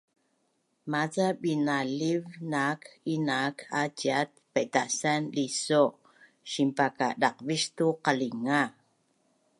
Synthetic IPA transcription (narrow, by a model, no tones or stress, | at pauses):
mat͡saɓinalivnakinakʰat͡ʃiat̪̚peʔt̪aʔsanliso | ʃimpakaɗɑqviʃt̪uqaliŋa